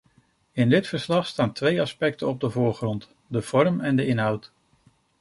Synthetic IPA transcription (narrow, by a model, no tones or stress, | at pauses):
ɪndɪtfəɹslɑχstaːntʋejɑspɛk̚tənɔb̚dəvʊːɹχrɔnt | dəv̥ɔɹmɛndəɪnɦʌwt